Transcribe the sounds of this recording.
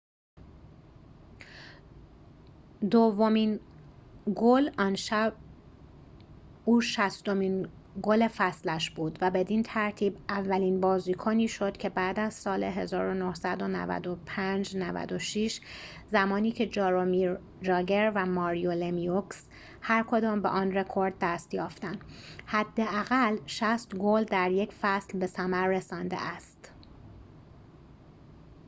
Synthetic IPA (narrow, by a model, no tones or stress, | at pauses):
d̪ovːo̞min | ɡolɒːnʃæb̚ | uːʃæst̪o̞miːn | ɡole̞fæslæʃbuːd̪væbe̞d̪iːnt̪ʰæɾt̪ʰiːbʔævːæliːnbɒːziːkʰoniːʃo̞d̪̥cʰe̞bæːd̪æz̥sɒːleɦe̞zɒːɾo̞nohsæd̪o̞næ̰væ̰d̪opʰænd͡ʒnævæ̰d̪oʃiːʃ | zæmɒːniːcʰe̞d͡ʒɾomiɾ | d͡ʒɒːɟe̞ɾvæmɒːɾijolemioks | hæɾkʰo̞d̪ɒːmbḛʔɒːnre̞kʰoɾd̪̚ːæst̪jɒːft̪ænd̪hæd̪ːeæɣælʃæst̪ɡold̪æɾje̞cʰfæslbe̞sæmæɾːe̞sɒːnd̪ḛʔæst̪